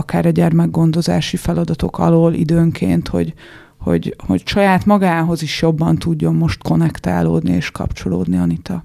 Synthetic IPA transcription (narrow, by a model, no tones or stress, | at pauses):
ɒkaːɾɒɟɛrmɛɡːo̞nd̪o̞zaːʃifɛlɒd̪ɒt̪o̞kɒ̰loːlḭd̪øːŋkʰḛːnt̪ho̞̰ɟ | ho̞̰ɟho̞̰cʃɒjaːt̪mɒɡaːɦo̞ziʃjo̞bːɒnt̪uɟːo̞mːo̞ʃt̪ko̞nɛkt̪a̰ːloːd̪niḛːʃkɒ̰pt͡ʃo̞loːd̪niɒnit̪ɒ